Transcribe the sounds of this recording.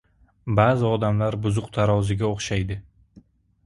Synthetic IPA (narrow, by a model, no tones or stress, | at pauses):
baːzɪɒd̪amlaɾbʊzʊqt̪ʰaɾɒwzɪɡʲaoχʃajd̪ɪ